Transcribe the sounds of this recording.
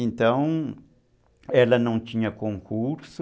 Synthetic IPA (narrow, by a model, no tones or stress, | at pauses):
ẽnt̪ɐ̃w̃ | ɛlɐnɐ̃w̃t̪ĩɲɐkõŋkuɾs